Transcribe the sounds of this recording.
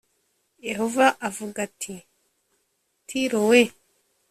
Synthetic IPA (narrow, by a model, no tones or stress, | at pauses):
je̞ɦo̞vaʔavuɡatʰi | tʰiɾowe